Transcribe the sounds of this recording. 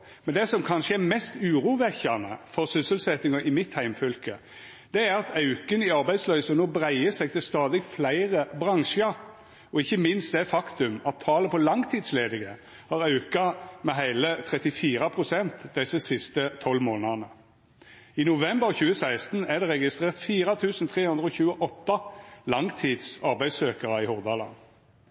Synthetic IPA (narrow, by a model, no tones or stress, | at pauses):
mɛnd̪ɛsɔmkʰɑnʂəæɾmɛst̪ʉːɾuːʋɛçɑnə̰fɔʁsʏsəlsɛt̪ːɪŋɑʔɪmɪt̪hæɪmfœlkə | d̪̥ɛæɾɑt̪ʰɑʉkənɪɑɾbæɪslœʏsənoːbʁæɪəsɛɡ̚t̪ɪlst̪ɑːd̪ɪɡflæɪʁəbʁɑŋʃə | ɔɪçːəmɪnst̪̚d̪ɛfɑkt̪ʉmɑt̪ʰːɑːləpʰɔlɑŋt̪ʰiːd̪sleːd̪ɪɡə | hɑːʁɑʉkɑmɛɦæɪlət̪ʰʁɛt̪ɪfiːɾɑpʰʁʊsɛnt̪d̪ɛsəsɪst̪ət̪ʰɔlːmoːnɑnə | inʊʋɛmbəʁçʉːəsæɪst̪n̩æʁd̪ɛʁɛɡɪst̪ʁeːʁt̪fiːʁɑt̪ʰʉːsn̩t̪ʰʁeːhʉnd̪ɾəɔːçʉːəʔɔt̪ːɑlɑŋt̪ʰiːd̪sɑʁbæɪd̪søːkəʁɑɪhʊʁd̪ɑlɑ̰n